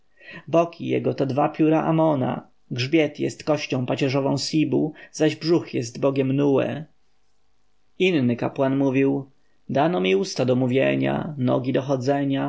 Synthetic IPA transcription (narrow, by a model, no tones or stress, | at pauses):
bɔkʰʲijɛ̰ɡɔt̪ɔd̪vapʲjuɾaʔamɔna̰ | ɡʐbʲjɛt̪jɛ̰st̪kɔɕt͡ɕɔ̃w̃pat͡ɕɛʐɔvɔ̃w̃sʲibuzaʑbʐuxjɛst̪bɔɡʲɛmnuwɛ̰ | inːɘkapwanmuvʲiw | d̪anɔmʲiust̪ad̪ɔmuvʲjɛɲa̰nɔ̰ɡʲid̪ɔxɔd̪zɛɲa